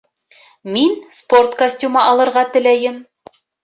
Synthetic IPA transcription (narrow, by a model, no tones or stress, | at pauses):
minsport̪kɐsʲtʲumɑʔɑlˠɤ̆ɾʁɑt̪ɘ̆læjɘm